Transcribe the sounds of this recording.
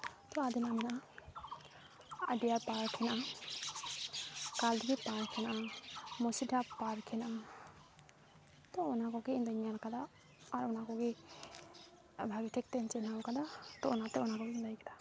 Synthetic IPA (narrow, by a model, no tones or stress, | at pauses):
t̪ɔad̪inamɛnaa | a̰diaɾpaɾkʰɛnaam | kald̪iɡɛpaɾkʰɛnaʔamɔsidapaɾkʰɛnam | t̪ɔɔnakɔɡɛind̪aɲaɾkad̪aː | ɾɔnakɔɡɛ | bʱabitʰɛk̚t̪ɛnt͡ʃɛnawkad̪at̪ɔɔnat̪ɛɔnakɔɡɛind̪ajkad̪a